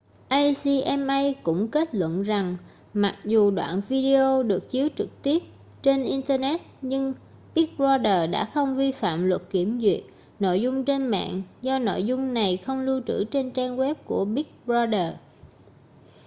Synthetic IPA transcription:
ʔa˧jsi˧ʔɛ˧mʔə˧jkʊ̰˧˥ŋ͡mke˦˥t̚lwə̰˧˨nza˨˩ŋ | ma˨˩t̚zu˨˩ɗwa̰ː˧˨nvi˧ɗi˧ʔo˧ɗɨ˨˩ək̚t͡ɕi˨˦əwt͡ɕɨ˨˩k̚t̪i˦˥əp̚ | t͡ɕe˧nʔi˧nt̪əː˧nɛ˦˥t̚ɲɨ˧ŋ | ɓi˦˥k̚zɔ˧ɗəː˨˩ɗa̰ː˧˥xə˧wŋ͡mvi˧fa̰ː˧˨mlwə˨˩t̚ki˧˩əmzwḭ˨˩ət̚ | no̰˧˨jzʊ˧ŋ͡mt͡ɕe˧nmɛ̰ː˧˨nzɔ˧no̰˧˨jzʊ˧ŋ͡mna˨˩jxə˧wŋ͡mlu˧t͡ɕɨ̰˧˩t͡ɕe˧nt͡ɕaː˧nɣwɛ˦˥p̚ku˧˩əɓi˦˥k̚zɔ˧ɗəː˨˩

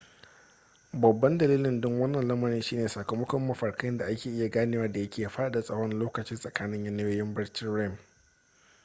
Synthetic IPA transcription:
bɐ˨bːɐ˦ndɐ˨liː˦lɪ˨ndʊ˦ŋwɐ˦nːɐ˨nlɐ˦mɐ˨ɾɪ˦nʃiː˦neː˨saː˨kɐ˨mɐ˦kʷɔ˦mːɐ˨ɸɐ˨ɽkɐ˦nda˨ʔa˦kʲeː˨ʔɪ˦ja˨ɡaː˦neː˦wɐ˦da˨jɐ˦kʲʰeː˨ja˨ɸaː˦a˨ɗa˨sʼɐ˦ɽɔ˦nloː˦kɐ˨t͡ʃɪ˦nsʼɐ˨kaː˦nɪ˦ɲjɐ˦nɐ˦joː˦jɪ˦mbɐ˦ɽt͡ʃɪ˦nɾɛ˦˨m

